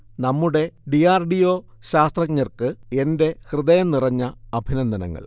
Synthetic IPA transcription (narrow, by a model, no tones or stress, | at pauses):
nɐmːuɽe̞ɖijaːrɖijo̞ː | ɕaːst̪rɐkɲːɐrkɨe̞nde̞hrɨðɐjɐmnirɐɲːɐɐbʱinɐnd̪ʱɐnɐ̰ŋːɐ̰ɭ